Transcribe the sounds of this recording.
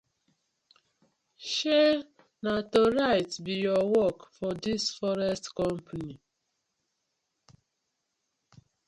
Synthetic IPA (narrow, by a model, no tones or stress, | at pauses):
ʃe | natoɹaɪtbijɔwɔkfɔdisfɔɾɛstkɔ̃mpʰani